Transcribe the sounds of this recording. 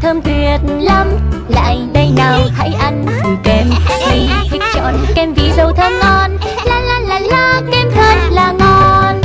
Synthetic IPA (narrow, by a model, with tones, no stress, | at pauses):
t̪ʰə˧mt̪wi˨˩ət̚lə˧mla̰ː˧˨jɗə˧jnaː˨˩wha̰ː˧˥jʔa˧jŋ̟kɨ˨˩kɛ˧mkwi˧t̪ʰï˦˥k̟̚t͡ɕɔ̰˧˨nkɛ˧mvi˧˩˦zə˨˩wt̪ʰə˧mŋɔ˧n | laː˧˦laː˧˦laː˧˨jlɔ˧˦kɛ˧˩mt̪ʰə˨˧˩n̚laː˨˩ŋɔ˨˧˩n